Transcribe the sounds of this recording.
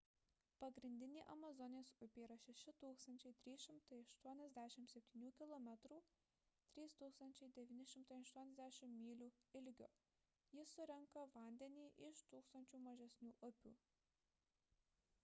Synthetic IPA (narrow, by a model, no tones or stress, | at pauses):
pɐɡɾʲɪnʲd̪ʲɪnʲiːʔɐmɐzɔnʲɪjsʊpʲiːɾɐʃʲɛʃʲɪt̪uːkst̪ɐnʲt͡ʃʲɛɪt̪ʲɾʲiːʃʲɪmt̪ɐɪɐʃt̪uɔnʲɛzʲd̪ʲæːʃʲɪmsʲɛpʲt̪ʲiːnʲuːkʲɪlˠɔmʲɛt̪ɾuː | t̪ʲɾʲiːst̪uːkst̪ɐnʲt͡ʃʲɛɪd̪ʲɛʋʲiːnʲɪʃʲɪmt̪ɐɪɐʃt̪uɔnʲɛzd̪ʲæːʃʲɪmmʲiːlʲuːɪlʲɡʲoː | jɪsʊɾʲɛŋkɐʋɐˑnʲd̪ʲɛnʲiːʔɪʃt̪uːkst̪ɐnʲt͡ʃʲuːmɐʒʲɛsʲnʲuːʔʊpʲṵː